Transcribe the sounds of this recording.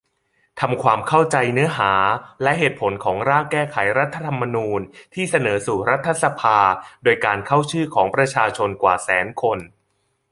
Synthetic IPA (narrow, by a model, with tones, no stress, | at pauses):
t̪ʰa˧mkʰwaː˧mkʰa˥˩wt͡ɕa˧jnɯ˦˥ɐɦaː˩˦lɛ˦˥ʔɦeː˨˩t̪̚pʰo˩˦nkʰɔː˩˦ŋɾaː˥˩ŋkɛː˥˩kʰa˩˦jɾa˦˥t̪ʰːa˧t̪ʰa˧mːa˧nuː˧nt̪ʰiː˥˩sa˧nɤː˩˦suː˨˩ɾa˦˥t̪ʰːa˧˩sa˧pʰaː˧doː˧jkaː˧nkʰa˥˩wt͡ɕʰɯː˥˩kʰɔː˩˦ŋpɾa˧t͡ɕʰaː˧t͡ɕʰo˧nkwa̰ː˨˩sɛː˩˦nkʰo˧n